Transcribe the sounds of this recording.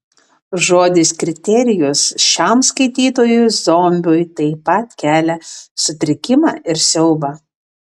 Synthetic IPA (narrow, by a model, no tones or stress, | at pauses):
ʒoːd̪ʲɪskɾʲɪt̪ʲɛɾʲɪjʊsʃʲɑmskɐɪt̪ʲiːt̪oːjʊzoːmʲbʲʊːjt̪ɐɪpɐt̪kʲæːlʲɛsʊt̪ʲɾʲɪkʲɪmɑːʔɪɾsʲɛʊbɑ